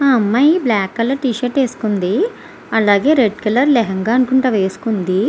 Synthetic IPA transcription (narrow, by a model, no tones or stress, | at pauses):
aːɐmːɐjiblaːkːɐlːɐʈiːʃɐʈeːsu̥kund̪i | ɐlaːɡe̞ːɾeɖkɐlɐɾlɛɦɐŋɡaːɐnkuɳʈɐʋeːsu̥kund̪i